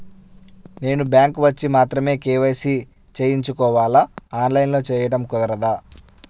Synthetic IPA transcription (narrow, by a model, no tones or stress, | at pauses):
ne̞ːnubjaːŋkʋɐt͡ʃːimaːt̪ɾɐme̞ːkɛːʋɐjsi | t͡ʃeːjiɲt͡ʃukɔːʋaːlɐaːnlɐjnlo̞ːt͡ʃɛːjɐɽɐmkɔd̪ɐɾɐd̪aː